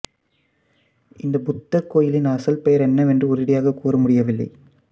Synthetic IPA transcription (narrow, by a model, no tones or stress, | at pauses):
ɪ̰nd̪ɐbʊt̪ːɐkːoːjɪlɪnɐsɐlpɛjɐɾɛnːɐʋɛndrɯɔɾɪɽɐjaːɣɐkuːrɐmʊɽɪjɐʋɪlːɐ̰ɪ